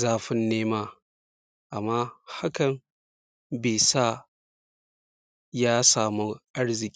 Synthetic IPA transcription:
zaː˦ɸɪ˦nːeː˦maː˦ | ʔa˨mːaː˦ha˦kɐ˨n | beː˨sa˦˨ | jaː˦saː˨mu˦ʔa˦ɽzɪ˨kʲʼi˦

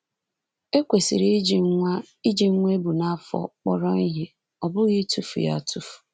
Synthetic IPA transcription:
e˦kʷe˨sḭ˨ɾi˦d͡ʒi˨˦a˦ | i˦d͡ʒi˨ŋ̩˦ŋʷe˦bu˨na˦fɔ̰˦˨k͡pɔ˦ɾɔ˦i˦ɦe˦ | ɔ˨bʊ˦ɣɪ˦tu˦fṵ˨ja̰˦˨tu˦fu̥˨

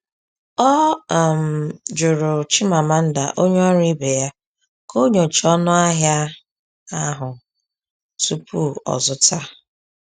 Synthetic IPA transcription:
ɔ˦˨m̩˨d͡ʒʊ˨ɾʊ˨t͡ʃɪ˦ma˨ma˦n̩˦da˨ʔo˦ɲ˦ɔ˦ɾi˦be˨ja˦ | kʰo˦ɲo˨t͡ʃɔ˦nʊ˦a˦ɦja˦ | a˦ɦʊ˨ | tu˦pʰu˦ɔ̰˨zʊ˦ta˦

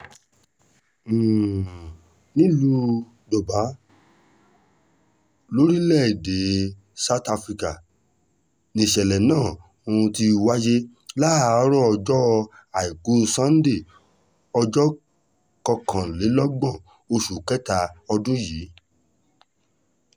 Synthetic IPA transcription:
nĩ˦lu˦˧ | d͡ʒɔ˨ba˨˦ | lo˦ɾi˦lɛ˦˨i˨de˨˦ | sa˦˨˦ta˧fɾi˧ka˨ | nĩ˧˨ʃɛ˨lɛ˨nãː˦˨ | o˧ũ˧ti˧wa˦d͡ʒe˦ | la˦˨˦ɾɔ˦ɔ˧d͡ʒɔ˦˧ | a˨i˨ku˨˦sã˦n̩˦de˦˨ | ɔ˧d͡ʒɔ˦ | kɔ˧kʰã˨le˨˦lɔ˦ɡ͡bã˦˨ | o˧ʃu˨kɛ˦ta˧ɔ˧dũ˦jiː˨˦

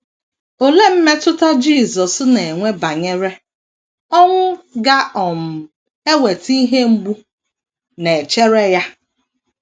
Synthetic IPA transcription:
o˨le˦m̩˦me˦tʊ˦ta˦d͡ʒi˦˨zɔ˨sne˨e˨ŋʷe˦ba˨ɲe˦ɾe˦ | ɔ˦ŋʷʊ˦ɡa˦ɔ˨m̩˨ | e˦we˨ti˦ɦe˦ŋ͡m̩˦ɡ͡bu˦ | ne˨t͡ʃe˦ɾe˦ja˦

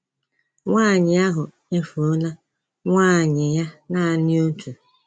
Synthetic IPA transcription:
ŋʷaː˦˨ɲɪ˨a˦ɦʊ˨ | e˦fu˨o˦la˦ | ŋʷaː˦˨ɲɪ˨ja˦na˦a˨nɪ˦o˦tʰu˨

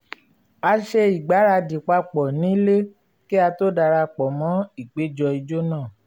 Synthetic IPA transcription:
a˧ʃe˧i˨ɡ͡ba˨˦ɾa˧di˨k͡pa˧k͡pɔ˨nĩ˨˦le˦ | ki˦a˧to˦da˧ɾa˧k͡pɔ˨mɔ̃˨˦i˨k͡pe˨˦d͡ʒɔ˧i˧d͡ʒo˦nãː˦˨

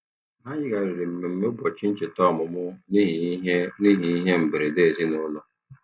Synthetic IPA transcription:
ma˦ɲɪ˦ɡa˨ɾɪ˨ɾɪ˨m̩˨me˨m̩˨me˦bɔ˨t͡ʃɪ˦n̩˦t͡ʃe˨tɔ˦˨mʊ˨mʊ˦n˦ɦni˦ɦi˨i˦ɦe˦m̩˨be˨ɾe˨de˦˨zi˦nʊ˦lɔ˨

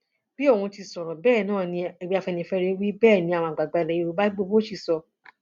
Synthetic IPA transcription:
b̥i˦o˦˨ũ˧ti˧sɔ̃˨ɾ̃ã˨bɛː˦˨nãː˦˨nĩ˧e˨ɡ͡bi˧˦a˧fɛ˧nĩ˧˨fɛ˧ɾe˧wi˦bɛː˦˨nĩ˧˦a˨w̃ã˧˨ɡ͡ba˨ɡ͡ba˧˨lɛ˨ji˧˦˧u˧˦ba˦ɡ͡bo˧bo˦ʃi˦˨sɔ˧

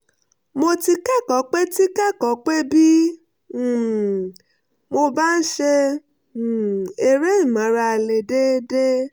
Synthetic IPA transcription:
mo˧ti˧kɛ˦˨kɔ˨˦k͡pe˦ti˦kɛ˦˨kɔ˨˦k͡pe˦bi˦˨ | mo˧ba˦n̩˦ʃe˧˨ | e˨ɾe˦i˦˨mã˨˦ɾa˧˨le˨de˦de˦

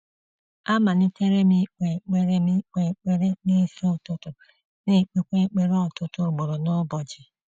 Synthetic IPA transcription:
a˦ma˨nɪ˦te˦ɾe˦mi˦k͡pʷe˨k͡pe˨ɾe˦mi˦k͡pʷe˨k͡pe˦ɾe˦ne˦˨sʊ˦˨tʊ˦tʊ˨ | ne˨k͡pe˨kʷe˦k͡pe˦ɾe˦ɔ˦˨tʊ˦tʊ˦˨ɡ͡bʊ˨ɾʊ˨nʊ˦bɔ˨d͡ʒɪ˨

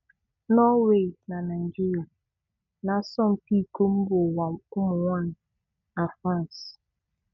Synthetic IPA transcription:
nɔ˦we˦˨na˨na˨i˨d͡ʒi˦ɾi˨a˨ | na˨˦sɔ˦m̩˨pi˦˨ko˦m̩˦bʊ˨wa˨ʊ˦mʊ˨ŋʷɔ˦n̩˨ | a˨fɾã˦˨n˨s

